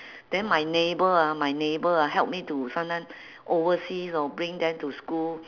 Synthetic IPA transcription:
d̥ɛ̃nmajnebəamajnebəaɦɛlp̚mitusãnãn | ʔovəsisɔbɹĩŋdɛ̃mtuskul

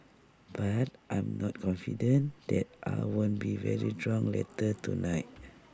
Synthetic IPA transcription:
b̥atʔãjmnɔt̚kʰɔ̃nfidə̃nd̪ɛt̚ʔa̰jwõnbivɛɹidɹɔ̃ŋlɛ̰tətunajt̚

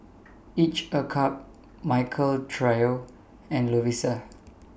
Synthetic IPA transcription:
it͡ʃəkʰap̚ | maɪkʰəltʰɹajo | ɛ̃nluwisə

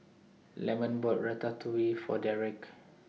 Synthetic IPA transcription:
lɛmə̃nbɔt̚ɹɛtat̪ʰuwifɔ̰daɹɛk

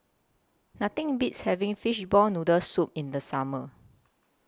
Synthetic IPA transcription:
nat̪ĩŋbitshɛvĩŋfiʃbɔlnudəsup̚ĩndəsamə

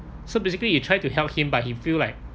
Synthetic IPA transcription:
sobeɪsɪkəlijutʰɹ̥ajtuhɛlˠp̚hĩmbaɪhĩfilaɪk̚

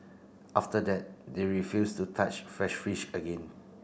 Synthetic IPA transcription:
ʔaftədɛt̚deɹifjustutʰat͡ʃfɹɛʃfiʃəɡẽn

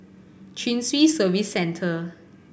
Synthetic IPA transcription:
t͡ʃĩnswisəvisːɛ̃ntʰə

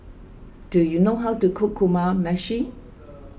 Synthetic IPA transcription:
d̥ujunoɦawtukʰʊkʰːumamɛʃi

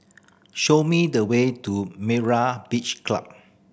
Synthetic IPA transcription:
ʃomidəwetumɛɹab̥it͡ʃkla̰p̚

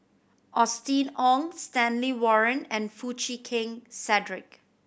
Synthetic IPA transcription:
ʔɔstĩnɔ̃ŋstɛ̃nliwɔɹə̃nɛ̃nfut͡ʃikʰɪ̃ŋsɛdɹɪk̚

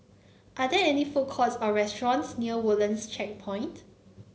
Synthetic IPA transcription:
ʔadɛɛnifokʰɔsɔɹɛstɹɔ̃nsniəwulə̃nst͡ʃʰɛk̚pʰɔ̃ɪ̃nt

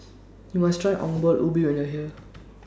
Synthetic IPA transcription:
jumastʰɹajʔɔ̰̃ŋbɔlʔubiwɛ̃njɔɦi

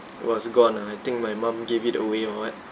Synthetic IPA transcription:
ʔwɔsɡɔ̃naajt̪ɪ̃ŋk̚majmãmɡevitə̰weɔ̃at̚

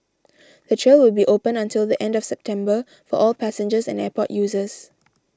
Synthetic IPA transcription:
d̥̪ətʰɹewɪlˠbiʔopə̃nə̃ntʰɪldiʔɛ̃ndɔfsɛp̚tʰɛ̃mbə | fɔ̰ʔɔlpʰæsɛ̃nd͡ʒəsɛ̰̃nɛpɔ̰ʔjuːzəs

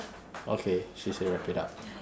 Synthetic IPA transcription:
ʔo̰kʰeʃiseɹɛpʰiɾa̰p̚

